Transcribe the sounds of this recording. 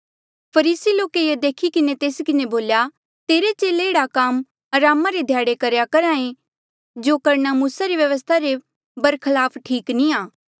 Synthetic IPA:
pʰɐɾiːsiloːkeed̪eːkʰikɪnet̪eːskɪneboːlja | t̪eːɾet͡ʃeːleːɽakaːm | ɐɾaːmaɾed̪ʱjaːɽekɐɾjakɐɾãːẽ | d͡ʒoːkɐɾɳ̃amuːsaɾiʋjɐʋəst̪ʰaɾe | bɐɾkʰɐlaːpʰʈʰiːknĩaː

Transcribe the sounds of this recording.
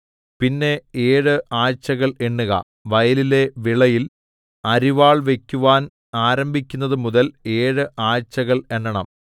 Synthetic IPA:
pinːe̞eːɻɨʔaːrt͡ɕːɐɣɐɭeɳːuɣɐ̰ | ʋɐjɐlile̞ʋiɭɐjil | ɐɾiʋaːɭʋe̞kʲːuʋaːn | aːɾɐmbʱikʲːunːɐðɨmuðɐle̞ːɻɨʔaːɻt͡ɕːɐɣɐɭe̞ɳːɐɳɐm

